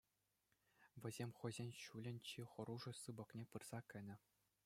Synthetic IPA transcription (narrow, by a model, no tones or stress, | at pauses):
ʋʲɘ̆zʲemʲχɤ̆jzʲenʲɕulʲɘ̆nʲt͡ɕiχɤ̆ɾuʐɤ̆sɯbɤ̆knʲepɯrz̥ɑkʲɘ̆nʲɘ̆